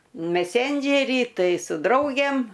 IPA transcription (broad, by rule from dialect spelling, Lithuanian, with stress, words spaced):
mʲɛˈsʲɛnʲd͡ʒʲɛrʲiː ˈtɐɪ sʊ ˈdrɐʊɡʲeːm